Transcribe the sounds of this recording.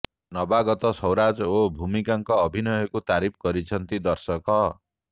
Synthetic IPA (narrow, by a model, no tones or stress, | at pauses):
nʌbaɡʌt̪ʌsʌwɾad͡zobʱumikaŋkʌːbʱinʌjɔkot̪aɾip̚ʰɡʌɾit͡sʰʌnt̪id̪ʌrsʌkʌ